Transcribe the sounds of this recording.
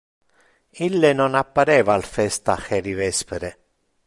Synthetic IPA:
ilːenonapːaɾɛːvalfɛst̪axɛɾivɛspeɾe

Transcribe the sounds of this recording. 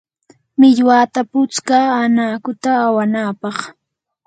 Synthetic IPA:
mɪʎwaːt̪apʊt͡skaanaːkʊt̪aːwanaːpɑχ

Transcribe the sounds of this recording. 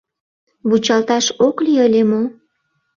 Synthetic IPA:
βut͡ɕɑlt̪ɑʃokliəlʲemo

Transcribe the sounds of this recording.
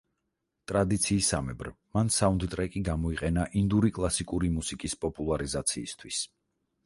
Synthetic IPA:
t̪ʼɾad̪it̪sʰiːsa̰mɛ̰bɾ | mansaund̪t̪ʼɾɛkʼiɡamɔiqʼɛnaʔind̪uɾikʼlˠasikʼuɾimusikʼispʼɔpʼulˠaɾizat̪sʰiːst̪ʰwis

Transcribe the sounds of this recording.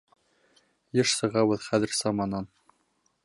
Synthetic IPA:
jɤʃsɤ̆ʁɑwɘðχæðɘ̆ɾsɑmɑnɑn

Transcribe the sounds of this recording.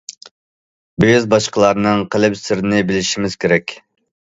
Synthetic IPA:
byzbɑʃqəlˠɑɾnɨŋqʰəlɪpsɪɾɪnɪbɪlɪʃimɪz̥kʲʰeɾɛkʲ

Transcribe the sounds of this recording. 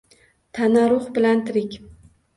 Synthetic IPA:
t̪ʰanaɾʊχbɪlant̪ʰɪɾɪkʲ

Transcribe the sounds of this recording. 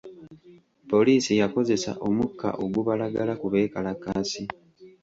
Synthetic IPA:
po̞liːsijako̞ze̞sa̰ʔo̞mukːa̰ʔo̞ɡuβalaɡalakuβe̞ːkalakaːsi

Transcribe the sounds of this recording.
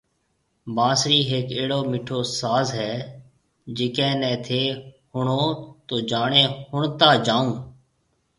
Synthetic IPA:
bãːsɾiːɦeːkeːɽoːmiːʈʰoːsaːzɦɛː | d͡ʒɪːkɛ̃ːnɛ̃ːt̪ʰeːhʊɳõːt̪oːd͡ʒaːɳẽːhʊɳt̪aːd͡ʒãːũː

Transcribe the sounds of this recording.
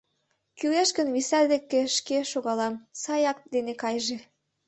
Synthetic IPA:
kyleʃkənβisæd̪ekːeʃkeʃoɣɑlɑmsɑjɑk̚d̪enekɑjʒe

